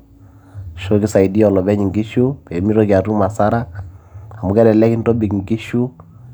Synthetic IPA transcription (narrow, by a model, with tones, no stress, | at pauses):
ʃo˦ki˦sa˨i˨di˦ɔ˨lɔ˨bɛ˦ɲi˨ŋɡi˦ʃu˦pɛ˨mi˦ɾɔ˦ki˨a˨tu˦ma˨sa˦ɾa˦ | a˨mu˦kɛ˦dɛ˨lɛ˦ki˦n˦dɔ˦bi˨kŋɡi˦ʃu˦